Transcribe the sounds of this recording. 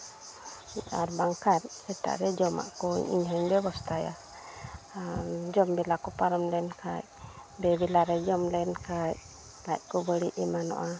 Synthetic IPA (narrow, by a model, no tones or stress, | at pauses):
aɾbaŋkat̚sɛt̪a̰ʔɾɛd͡ʒɔma̰ʔkɔ̰ḭɲɦaɲbɛbɔst̪ʰaja̰ | d͡ʒɔmbɛlakɔpaɾəmlɛnkʰaj | bɛbɛlaɾɛd͡ʒɔmlɛnkaj | lac̚kɔbəɽiʔimanɔ̰ʔa